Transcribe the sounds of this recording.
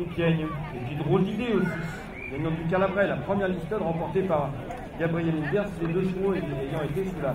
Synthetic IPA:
pʲjɛɲepid̪ʁold̪id̪eosis | ɡaɲɔ̃d̪yk̬alabʁɛlapχəmjɛʁist̪ɔt̪ʁɑ̃pɔʁt̪epaʁ | ɡabʁijɛmibɛʁsiled̪øsmoekejɑ̃et̪esula

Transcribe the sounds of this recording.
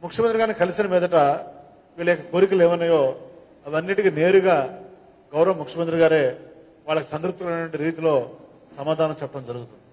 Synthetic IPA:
mukʂjɐmɐnd̪ɾiɡaːɾnikɐlisinɐmiːd̪ɐʈa | ʋiːɭːɐɔkːɐkoːɾik̬ileːʋɐnːaːjoː | ɐʋɐnːiʈikine̞ːɾuɡaː | ɡɐwɾɐʋɐmːukʂɐmɐnd̪ɾiɡaːɾeː | ʋaːɭːɐkisɐnt̪ɾup̚t̪ːulɐnɐʈʋɐɳʈiɾiːt̪ilo̞ː | sɐmaːd̪ʱaːnɐmt͡ʃɛpːɐʈɐmd͡ʒɐɾuɡut̪und̪ii

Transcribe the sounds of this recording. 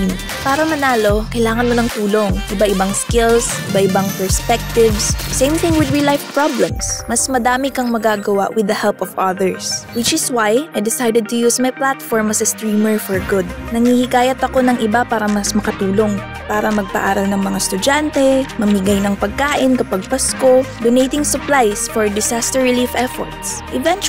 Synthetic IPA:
paːɾɐmɐnaːlo̞kɐjlaːŋɐnmonɐŋt̪uːlo̞ŋʔɪbaʔɪbaŋskɪls | ɪbaʔɪbɐŋpɛɹspɛk̚t̪ɪvsd̪ɐsẽjmθɪ̃ŋwɪd̪ɹilajfpɹablɛ̃msmɐsmɐd̪aːmɪkɐŋmɐɡaːɡɐwa̰ʔwɪd̪ɐhɛlpɔvʔɐðɛɹswɪt͡ʃɪswajʔajd̪ɪsajd̪ɛd̪̚t̪ʊjuːsmajplat̪fɔɹmɐsɐst̪ɹiːmɛɹfɔɹɡʊd̪̚nɐŋhiːhɪkaːjɐt̪ɐko̞nɐŋʔɪbapaːɾɐmɐsmɐkɐt̪uːlo̞ŋ | paːɾɐmɐɡ̚pɐ̰ʔaːɾɐlnɐŋmɐŋast̪ʊd͡ʒant̪ɛmɐmɪɡajnɐŋpɐɡ̚kaːʔɪnkɐpɐɡ̚pɐsko̞d̪onejt̪ɪŋsʊplajsfɔɹd̪ɪsast̪ɛɹɹɪliːfʔɛfɔ̰ɹt̪sʔɪvɛnt͡ʃ

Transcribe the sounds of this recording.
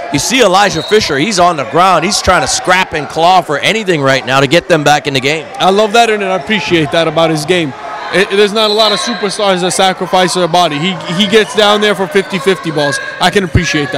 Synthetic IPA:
jɨsiəlaɪʒəfɪʃə˞hizn̩ðəɡɹãʊ̃nd̚hiz̥tʰɹ̥aɪɪ̃ŋtʰɨskɹæpɨ̃nkʰl̥ɔfə˞ʔɛñiθɪ̃ŋɹaɪtⁿnaʊɾɨɡɛt̪̚ðɨ̃mbækɨ̃n̩ðɨɡẽɪ̃maɪlʌvðɨɾə̃nɨ̃nɪəpʰɹ̥iʃieɪt̪̚ðəɾəbaʊt̚hɨzɡẽɪ̃m | ɪðə˞znəɾəlɔɾʌ̥supə˞stɑɹzəsækɹəfaɪsəəbɑɾiiiɡɛtsd̥ãʊ̃nðə˞fə˞fɪftifɪftibɔlˠz | aɪkɨ̃nəpʰɹ̥iʃieɪt̪̚ð

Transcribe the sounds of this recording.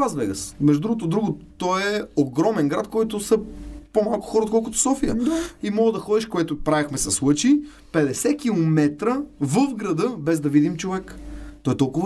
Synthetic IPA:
azbɛ̰ɡə̰smɛʒd̪ud̪ɾuɡot̪̬od̪ɾuɡʊtt̪ɔɛoɡɾɔmɛnɡɾat̪kɔjt̪ʊsɐpomalˠkʊ̥xɔɾəot̪kɔlˠkʊt̪o̥sɔfijə̰imɔɡəd̪ɐxɔd̪iʃkoɛt̪ʊpɾavʲixmɛsɐslˠɤt͡ʃi | pɛd̪ɛsɛk̟ilˠomɛt̪ɾəvəfɡɾɐd̪ɤbɛzd̪ɐvid̪imt͡ʃovɛkt̪ɔɛt̪ɔlˠkʊv

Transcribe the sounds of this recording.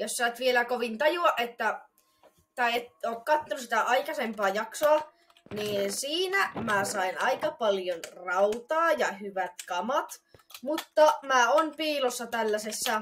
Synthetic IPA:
jossæːt̪ʋielækoʋint̪ɑjuɑʔʔet̪ːæ | t̪æet̪oːkkɑt̪ːɑonusi̥t̪æʔɑikɑsempɑːjɑksoɑ | niːnsiːnæmæsɑinɑikɑpɑljonrɑut̪ɑːjɑhyʋæt̪kɑmɑt̪mut̪ːɑmæːonpiːlosːɑt̪ælːæsesːæ

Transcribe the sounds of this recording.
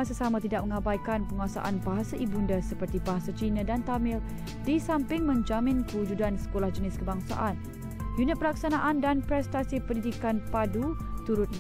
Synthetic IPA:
asasamãt̪idak̚məŋabajkanpəŋasa̰ʔa̰nbaɦasaʔibundasəpərt̪ibaɦasat͡ʃinadant̪amɪl | disampɪŋmə̃ɲd͡ʒamɪ̃nkəud͡ʒudansə̥kolahd͡ʒənɪskəbaŋsa̰ʔan | junɪt̪̚pəlak̚sanaʔandanpɾɛst̪asipəndid̪ikanpadu | t̪uɾʊt̪̚

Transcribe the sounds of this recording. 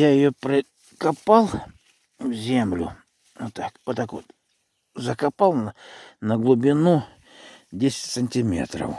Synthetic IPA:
jajɪjopɾʲɪ | kɐpalˠ | vzʲemlʲʊ̰ | ot̪ːakot̪ːako̰t̪ | zəkɐpalˠnnəɡlˠʊbʲɪnu | dʲesʲɪ̥tʲsənʲtʲɪmʲḛt̪ɾə̰f

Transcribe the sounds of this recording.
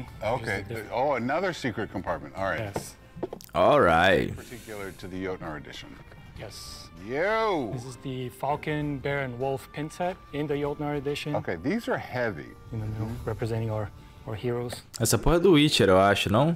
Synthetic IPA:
oʊkʰeɪoʊənʌðə˞sikɹɨt̚kʰə̃mpʰɑɹt̚mɨ̃ntɔ̰ɹajɛs | ɔlˠɹa̰ɪtə˞tʰɪkjl̩ˠə˞ɾʰɨðɨjoʊtnə˞ɨdɪ̰ʃɨ̃n | jɛsjuðɪsɨzðɨfalˠkɨ̃nbɛɹɨ̃nwʊlˠfpʰɪ̃nsɛɾɪ̃nðɨjoʊtnə˞ɨdɪʃɨ̃noʊkʰeɪðizə˞hɛvḭ | jɨnonoɹɛpɹɨzɛ̃ñɪ̃ŋ | hiɹoʊz̥ɛsɐpohɐd̪ʊwit͡ʃɛɾewaʃʊnɐ̃w̃

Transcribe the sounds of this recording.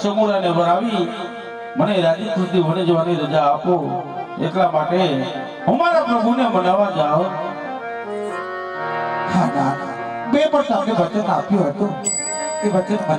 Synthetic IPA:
səmuɾanẽːʋəɾaːʋiː | məneɾaːd͡ʒikʰũt̪iɦonẽd͡ʒoʋaniɾəd͡ʒaːpoːḛːk̪laːmaːʈe | ɦʊmaːɾapɾəɡʱunẽːbənaːʋãd͡ʒaːɦõ | haːna | ɓeːpəɾsaːbeʋət͡ʃənaːpjõːɦət̪õː | eʋət͡ʃən

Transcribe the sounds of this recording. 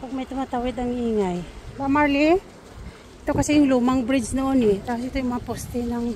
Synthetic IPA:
pɐɡ̚mɐjt̪ʊmat̪awɪd̪ɐŋʔiːŋajbamaɹlɪ | ʔɪt̪okɐsɛjʊŋlumɐŋbɾɪd͡ʒnoʔonɛt̪aːposʔɪt̪ojʊŋmɐŋapost̪ɪnɐŋ

